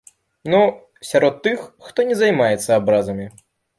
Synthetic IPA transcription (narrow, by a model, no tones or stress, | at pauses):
nu | sʲaɾɔt̪ːɨxːt̪ɔnʲɛzajmajɛt̪sːɐabɾazɐmʲi